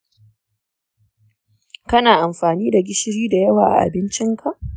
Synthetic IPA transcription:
kɐ˦naː˨ʔa˨mɸaː˨niː˦da˨ɡʲɪ˦ʃɪ˦ɾiː˦da˨jɐ˦waː˨ʔa̰˨ʔa̰˨bɪ˦nt͡ʃɪ˦ŋkʰa˨ʔ

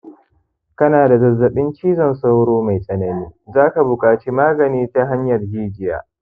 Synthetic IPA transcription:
kɐ˦naː˨da˨zɐ˨zːɐ˨ɓɪ˦nt͡ʃiː˦zɐ˨nsa˦wɽoː˦ma˨jsʼɐ˨nɐ˨niː˦zaː˦ka˨bʊ˨kʼaː˨t͡ʃiː˦maː˦ɡɐ˨niː˦ta˦ɦa˦ɲjɐ˨rhiː˦d͡ʒɪ˦ja̰ː˨

